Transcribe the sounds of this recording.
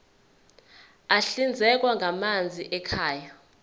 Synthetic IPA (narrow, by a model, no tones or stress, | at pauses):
aɬind͡zʱɛk̬ʼwaŋʱamand͡zʱiʔɛkʰaːja